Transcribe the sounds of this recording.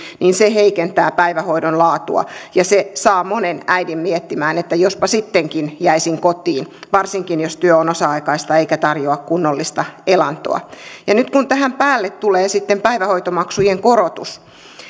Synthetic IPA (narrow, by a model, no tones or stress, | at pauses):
niːnseheikent̪æːpæiʋæhoidonlɑːt̪ṵɑ̰jɑsesɑːmonenæidimmiet̪ːimæːnet̪ːæjospɑsit̪ːeŋkinjæisiŋkot̪iːnʋɑrsiŋkinjost̪yøonosɑɑikɑist̪ɑeikæt̪ɑrjoɑkkunːolːist̪ɑelɑnt̪o̰ɑ̰jɑnyt̪kunt̪æhæmpæːlːet̪t̪uleːsit̪ːempæiʋæhoit̪omɑksujeŋkorot̪ṵs